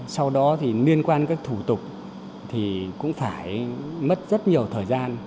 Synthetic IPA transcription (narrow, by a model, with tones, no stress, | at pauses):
sa˧wɗɔ˨˦t̪ʰi˨˩li˧ənkwaː˧nkaː˦˥k̚t̪ʰu˧˩t̪ʊ˨˩k͡p̚ | t̪ʰi˨˩kʊ̰˧˥ŋ͡mfaː˧˩jmə˦˥t̚zə˦˥t̚ɲi˨˩əwt̪ʰəː˨˩jzaː˧n